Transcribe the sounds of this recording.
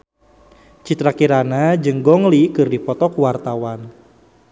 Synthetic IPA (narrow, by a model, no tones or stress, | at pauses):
t͡ʃit̪ɾakiɾanad͡ʒəŋɡɔŋlikɨrdipɔt̪ɔkuwart̪awan